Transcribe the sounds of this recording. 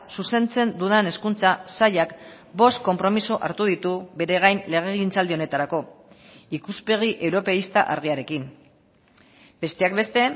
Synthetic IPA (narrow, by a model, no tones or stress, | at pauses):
suse̞nt͡se̞nd̪uðene̞skunt͡sasaʎak | bo̞st̪̚ko̞mpɾo̞misoʔa̰ɾt̪uðit̪uβe̞ɾe̞ɣajnle̞ɣ̞eɣint͡sald̪io̞ne̞t̪aɾako̞ | ikuspe̞ɣ̞iʔe̞wɾo̞pe̞ist̪aʔa̰ɾɣ̞iaɾe̞kin | be̞st̪e̞ak̚be̞st̪e̞